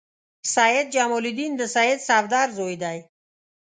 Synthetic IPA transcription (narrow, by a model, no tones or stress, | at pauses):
sajed̪̚d͡ʒamolid̪ind̪əsajed̪savd̪aɾzojd̪aj